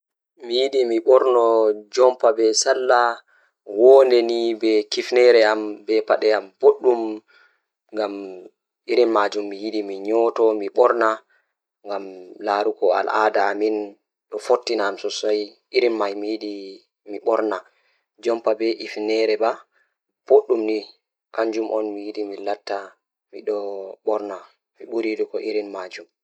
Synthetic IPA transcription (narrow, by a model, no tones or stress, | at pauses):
mijiɗimiɓɔɾnɔd͡ʒɔmpabɛsalːa | wɔndɛnibɛkifnɛɾɛambɛpaɗɛamb̥oɗːum | ŋɡam | iɾinmad͡ʒumːijiɗimiɲɔːtɔmiɓɔɾna | ŋɡamlaːɾukɔa̰lʔadaːmin | ɗɔfotːinamsɔsaj | iɾinmajmijiɗi | miɓɔɾna | d͡ʒɔmpabɛʔifnɛɾɛba | b̥oɗːumni | kaɲd͡ʒumʔɔnmijiɗimilatːa | miɗɔɓɔɾna | miɓuɾijiɗikɔʔiɾinmad͡ʒum